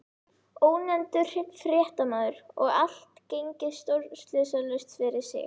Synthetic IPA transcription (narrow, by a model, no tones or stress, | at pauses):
oːwnɛnt̪ʏ̥r̥ɪpfɾjɛːht̪amaːðʏɾɔ̰ɣal̥t̪cejɲcɪst̪owɾst̪lɪːsalœst̪fɪɾɪɾ̥sjɛ̰x